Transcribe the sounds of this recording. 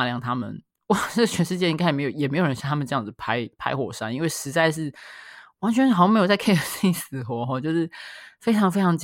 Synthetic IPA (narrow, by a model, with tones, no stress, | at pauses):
ljɑ˥˨˩ŋt̪ʰa˥mə̰˨n | wɔ˥˩ʈ͡ʂə˥˨˩t͡ɕʰɥɛ˧˥nʂɻ̩˥˧t͡ɕjɛ˥˩˧i˥ŋka˥˩˨m˧˥jo˨˩jɛ˨˩me˧˥ɪjo˨˩ɻə˧˦nɕjt̪ʰamə˨ʈ͡ʂɤ˧jɑ˥˩d͡z̩˨˩pʰa˥ɪpʰa̰˥ɪxwɔ˨˩ʂa˥ni˥nwe˥˩ɪʂɻ̩˧˥t͡sa˥˧ɪʂ̬ɻ̩˥˩wa˧˥nt͡ɕʰɥɛ˧˥n˥xɑ˧˩˥me˧˥jt͡sa˥˩ɪkʰe˥ɪə˨˩ss̩˨˩xwɔ˧˦xɔ˥˧t͡ɕjo˥˧ʊʂɻ̩˥˩fe˥ɪʈ͡ʂʰɑ˧˥ŋfe˥ɪʈ͡ʂʰɑ˧˥ŋt͡ɕ